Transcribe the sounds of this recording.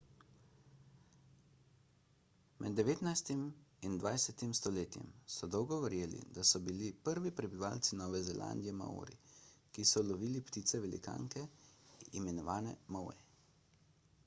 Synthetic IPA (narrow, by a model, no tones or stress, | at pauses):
mʔɛd̪ːɛʋeːt̪najst̪imind̪ʋajsɛt̪imst̪ɔleːt̪jɛ̰msɔd̪ɔwɡɔʋɛɾjeːlḭd̪asɔbilipəɾʋipɾɛbiʋaːlsinɔːʋɛzɛlʔa̰ːnd̪ijɛma̰ṵɾḭkisɔlɔʋiːlipt̪iːt̪sɛʋɛlḭka̰ːŋkɛ | imɛnɔʋaːnɛmɔwɛ̰